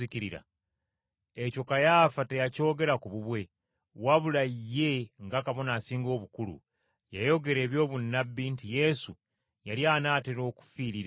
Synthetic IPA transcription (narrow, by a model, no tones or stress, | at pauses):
iciɾiɾa̰ | eco̞kajaːfate̞jaco̞ːɡe̞ɾakuβuβwe̞ | waβulaije̞ŋɡakaβo̞nasiːŋɡo̞ːβukulṵ | jajo̞ɡe̞ɾe̞ːβjo̞ːβunːabːintije̞su | jaljaːnaːteɾo̞ːku̥fiːɾiɾa